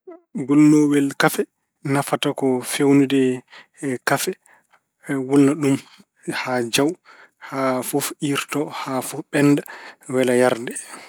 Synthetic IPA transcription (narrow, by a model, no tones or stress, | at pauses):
ɡulnɔwɛlkafɛ | nafatakɔfewnidɛ | kafɛ | wulnaɗum | had͡ʒaw | hafofʔiɾtɔhafɔfɓɛnːdawɛlajaɾdɛ